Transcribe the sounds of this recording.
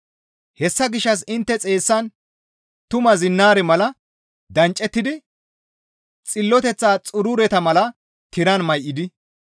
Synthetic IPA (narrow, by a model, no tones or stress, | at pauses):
hɛsːɐɡɪʃːɐs̬ɪnt̪ːɛt͡sʼe̞ːsːɐn | t̪ʊmɐzɪnːaːɾɛmɐlɐ | d̪ɐnt͡ʃʼːɛt̪ːɪd̪ɪ | t͡sʼɪlːɔt̪ɛt͡sːaːt͡sʼʊɾʊɾɛt̪ɐmɐlɐ | t̪ɪɾɐnmɐjʔɪd̪ɪ